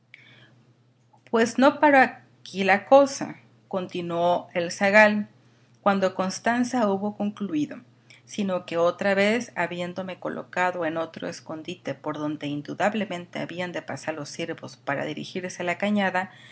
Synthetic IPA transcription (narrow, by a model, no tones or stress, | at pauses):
pwe̞zno̞paɾoa | kilako̞sa̰ | ko̞nt̪inwo̞e̞lsaɣal | kwand̪o̞ko̞nst̪ansauβo̞ko̞ŋkluiðo̞ | sino̞ke̞o̞t̪ɾaβe̞saβje̞nd̪o̞me̞ko̞̰lʔo̞̰kaðo̞e̞no̞t̪ɾo̞̰esko̞nd̪it̪e̞po̞ɾðo̞nd̪e̞ind̪uðaβle̞mẽ̞nt̪e̞a̰βiand̪e̞pasaɾlo̞sːiɾβo̞spaɾa̰ðiɾḭxiɾsealakaɲaða